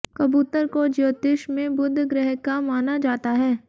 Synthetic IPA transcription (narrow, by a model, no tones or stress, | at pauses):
kɐbuːt̪əɾkod͡ʒoːt̪eːʃmẽbʊd̪ʱːɡɾɛɦkːamaːnad͡ʒaːt̪aɦɛː